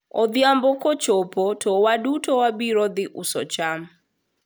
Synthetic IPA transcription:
ɔd̪jambɔkot͡ʃopotʰɔwadutowabiɾɔd̪ɪʔusɔt͡ʃam

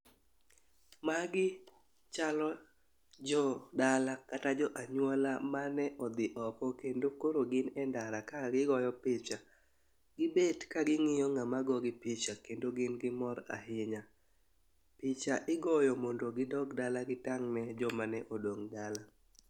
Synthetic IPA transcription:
maɡɪ | t͡ʃalɔ | d͡ʒɔdalakatad͡ʒɔʔaɲwɔlamanɛʔɔd̪ɪʔɔkɔkendokoɾoɡɪnɛndaɾakaɡɪɡɔjɔpɪt͡ʃa | ɡɪbedkaɡɪŋɪjɔŋamaɡɔɡɪpɪt͡ʃakendoɡɪnɡɪmɔɾa̰ɦɪɲa | pɪt͡ʃaʔɪɡɔjɔmɔndoɡɪdɔkdalaɡɪtaŋnɛd͡ʒɔmanɛʔodoŋdala

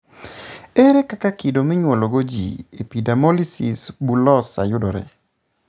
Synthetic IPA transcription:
eɾɛkakakidomiɲwɔloɡod͡ʒḭepidamɔlisɪsbulɔsa̰jʊdɔɾɛ̰

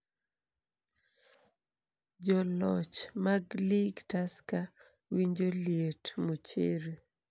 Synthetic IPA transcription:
d͡ʒɔlɔt͡ʃmaɡliɡtaska | wiɲd͡ʒoljetmot͡ʃḛɾe

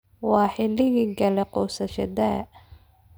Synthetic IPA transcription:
wɑːħɪlɪɣiːɡɐlɛqɔːsɐʃɐd̪a

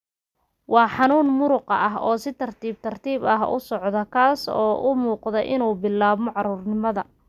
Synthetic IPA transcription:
wʔɑːħɑnuːnmʊɾʊqɑɐɦɔːsɪt̪ʰɐrt̪ʰiːbt̪ʰɐrt̪ʰiːbɐɦʊ̰sɔʕðɐkʰaːsɔːʔʊmuːqðɛjʔɪnuːbɪlːaːβmɔʕɑɾuːrnɪmɐðɐ

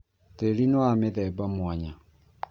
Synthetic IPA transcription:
teɾinoameðɛbamwaɲa

